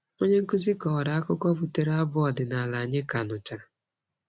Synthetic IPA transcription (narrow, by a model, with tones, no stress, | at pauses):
o˦ɲe˦ŋ̩˦ku˦zi˦kɔ˨ɾa˨a˦kʊ˦kʷɔ˦vu˨te˦ɾa˦bʊ˦ɔ˨dɪ˨na˨la˨ɲɪ˦ka˨nʊ˨t͡ʃa˨